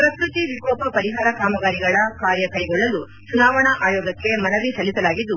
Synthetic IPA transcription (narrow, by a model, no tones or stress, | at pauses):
pɾɐkɾut̪iʋikɔːpɐpɐɾiɦaːɾɐkaːmɐɡaːɾiɡɐɭɐkaːɾjɐkɐjɡɔɭːɐlu | t͡ʃunaːʋɐɳɐʔaːjɔːɡɐkːe̞mɐnɐʋisɐlːisɐlaːɡid̪ːu